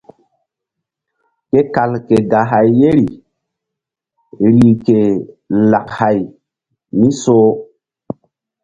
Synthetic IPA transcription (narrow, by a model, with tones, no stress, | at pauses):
ke˦ka˨lke˨ɡa˨ɦa˨jːe˦ɾi˨ | ɾi˨ke˨la˨kha˨j | mi˦soː˦